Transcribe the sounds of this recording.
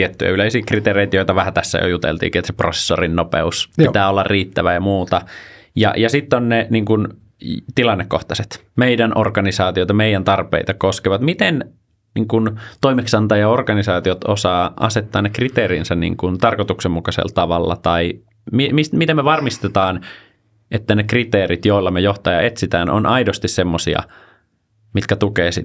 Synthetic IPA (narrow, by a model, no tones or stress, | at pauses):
t̪iet̪ːyjæ̰yleisiːkrit̪eːreit̪joit̪ɑʋæhæt̪æsːæ̰jo̰jut̪ḛlt̪ḭːkiːet̪seprose̥sːorinnopḛuspit̪æːolːɑrriːt̪ːæʋæjɑmuːt̪ɑjɑ̰jɑsit̪ːonneniːŋkun | t̪ilɑnːekːoht̪ɑset̪meidænʔorkɑnisɑːt̪ijot̪ɑmeijænt̪ɑrpḛit̪ɑkoskeʋɑt̪mit̪en | nḭːŋkunt̪oimeksɑnt̪ɑjɑorkɑnisɑːt̪iot̪o̰sɑːʔɑ̰set̪ːɑːnekrit̪eːɾiːnsænnḭːŋkunt̪ɑrkot̪uksemːukɑsḛlt̪ɑʋɑ̰lːɑ̰t̪ɑi | mimismit̪emeʋɑrmist̪et̪ɑːn | et̪ːænekrit̪eːɾit̪joilːɑmejoht̪ɑjɑ̰et̪sit̪æːnʔo̰nʔɑidost̪issemːosḭɑ̰ | mit̪kæt̪ukeːsi